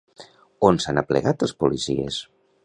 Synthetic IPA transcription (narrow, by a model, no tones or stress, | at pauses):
onsanaplə̰ɣat̪ləspulisḭḛs